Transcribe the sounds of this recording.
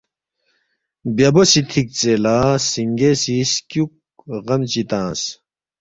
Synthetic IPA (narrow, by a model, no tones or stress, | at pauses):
bjɐbosit̪ʰik̚t͡selaːsiŋɡesiskjuk̚ | ʁɐmt͡ɕit̪ãːs